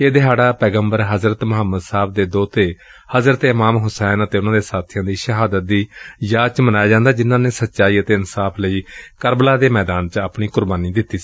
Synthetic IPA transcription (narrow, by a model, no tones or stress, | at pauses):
eːd̪ɪɦaːɽaːpɛːɡəmbəɾɦəzɾət̪mʊɦəmːəd̪saːb̚d̪eːd̪oːt̪eː | həzɾət̪eɪmaːmɦʊsɛːnət̪eːʊnãːd̪eːsaːt̪ʰɪjãːd̪iːʃəɦaːd̪ət̪̚d̪iːjaːt͡ʃmənaːjaːd͡ʒãːnd̪aːd͡ʒɪnːãːneːsət̪ːt͡ʃaːiːət̪eːɪnsaːpʰləiːkəɾblaːd̪eːmɛːd̪aːnt͡ʃapɳiːkʊɾbaːniːd̪ɪt̪ːiː